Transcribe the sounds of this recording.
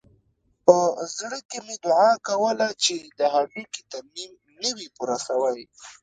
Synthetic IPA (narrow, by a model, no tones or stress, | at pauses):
pəzɽəkemed̪ʊʕɑkawəlat͡ʃed̪əɦamikit̪aɾmim | nəwipuɾasawaj